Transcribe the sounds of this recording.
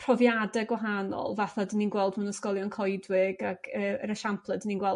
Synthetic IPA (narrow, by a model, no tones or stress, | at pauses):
pʰr̥ɔvjadɛɡwaɦanɔ̰lˠvaθadininɡwɛlˠdmunəskɔlˠjɔnkʰɔjdwɪɡaɡ̥ʰəːəɾəʃampʰlˠədəninɡwɛlˠ